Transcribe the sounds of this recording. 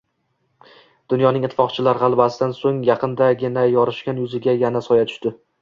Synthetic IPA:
d̪̥ʊnjɒnɪŋɪt̪ʰːɪ̥fɒqt͡ʃʰɪlaɾʁɑlˠbasɪd̪ansoŋjɑqʰɨnd̪aɡʲɪnajɒɾɪʃkʲanjʊzɪɡʲajanasɒjat̪ʰʊ̥ʃt̪ɪ

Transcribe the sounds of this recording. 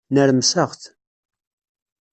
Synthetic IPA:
nəɾəmsəʁθ

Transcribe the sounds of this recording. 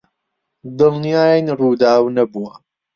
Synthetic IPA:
d̪ɨlnijaːjnɾuːd̪aːwnɐbuwɐ

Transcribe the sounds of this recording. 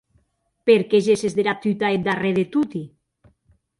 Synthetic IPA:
peɾkeʒesezðeɾap̚t̪ut̪aed̪areðet̪ut̪i

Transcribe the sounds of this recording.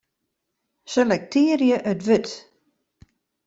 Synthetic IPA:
selɛk̚tʰiːərjəʔœtʋøt

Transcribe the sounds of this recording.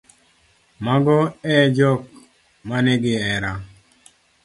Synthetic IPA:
maɡɔɛd͡ʒɔk̚ | manɛɡɪɛɾa

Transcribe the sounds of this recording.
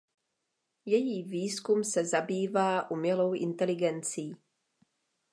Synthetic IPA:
jɛjiːviːskumsɛzabiːvaːʔumɲɛlowʔɪ̰nt̪ɛlɪɡɛnt͡siː

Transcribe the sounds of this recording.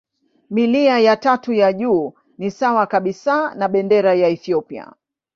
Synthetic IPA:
miliajatatujaʄuː | nisawakaɓisanaɓɛndɛɾajaɛθiɔpia̰

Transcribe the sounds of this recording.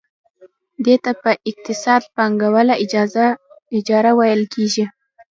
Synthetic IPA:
d̪et̪apəʔɪq̚t̪ɪsɑd̪̚pɑŋɡawəlaɪ | ɪd͡ʒɑɾawajəlkʰeʒi

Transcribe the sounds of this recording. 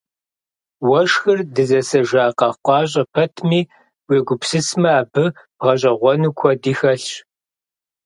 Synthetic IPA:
wɐʂxɨrdɨzɐsɐʒaːqɑqʷɑːɕ̬ʼɐpʰɐtʰmiː | weːɡʷʊpsɨsmɐaːbɨb̥ʁɐɕ̬ʼɐʁʷɔnuːkʷʰɔdiːxɐɬɕ

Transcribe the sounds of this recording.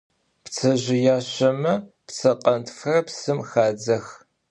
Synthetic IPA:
pt͡sʰɐʑɪjaːɕɐmɐpt͡sʰɐqʼɐntʰxɐrɐpsɨmxaːd͡zɐx

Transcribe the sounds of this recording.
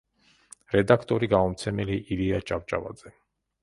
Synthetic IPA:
ɾɛd̪akʰt̪ʼɔɾiɡamɔmt̪sʰɛmɛliʔiliat͡ʃʼavt͡ʃʼava̰d̪zɛ

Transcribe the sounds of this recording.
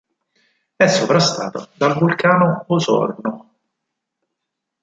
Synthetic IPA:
ɛsːopɾast̪aːt̪a̰d̪alvulkaːnoːsɔ̰rno

